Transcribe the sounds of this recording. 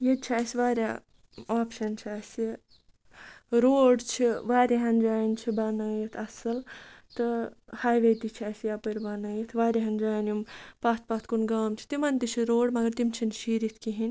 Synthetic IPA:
jed̪̚t͡ʃʰaːjsʲʋaːɾʲjaː | aːpʃɐnt͡ʃʰaːsi | ɾoːɖt͡ʃʰiʋaːɾʲaɦɐnd͡ʒaːnt͡ʃʰibɐnɐːjɐt̪ʰɐsɨlt̪ɨhaːjʋed̪it͡ʃʰaːsjaːpɨɾʲbɐnɐːjet̪ʰʋaːɾʲeɦɐnd͡ʒaːnumpaːt̪̚ʰpat̪ʰkunɡaːmt͡ʃʰi̥t̪imɐnt̪it͡ʃʰiɾoːɖmɐɡɐɾt̪imt͡ʃʰinʃiːɾit̪ʰkiɦinʲ

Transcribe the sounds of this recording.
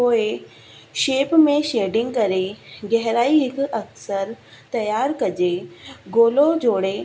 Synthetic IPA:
oːe | ʃeːpmẽʃeːɖɪ̃ŋɡ̚kɐɾeɡɛɦɾaːiɦɪkɐksəɾ | t̪ɐjaːɾkɐd͡ʑeɡoːlod͡ʑoːɽe

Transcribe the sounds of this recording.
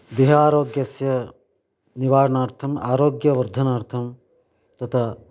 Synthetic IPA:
d̪iɦaːɾoːɡjɐsjɐ | niʋaːɾɐnaːɾt̪ʰɐma̰ːɾoːɡjɐʋɐɾd̪ʱɐnaːɾt̪ʰɐm | t̪ɐt̪ʰɐ

